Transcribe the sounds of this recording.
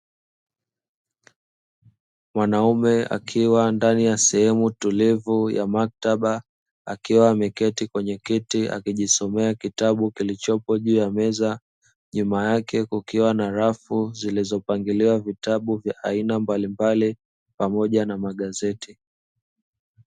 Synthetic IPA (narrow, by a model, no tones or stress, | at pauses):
mwanaumɛa̰kʰiwandanijasɛhɛmutulivuja̰mak̚taɓa | a̰kiwaːmɛkɛtikwɛɲɛkitia̰kiʄisɔmɛakitaɓukilit͡ʃɔpɔʄuːjamɛza | ɲumajakʰɛkukiwanaɾafuzilizɔpaŋɡiliwavitaɓuvja̰ʔainambalimbali | pamɔʄanamaɠazɛti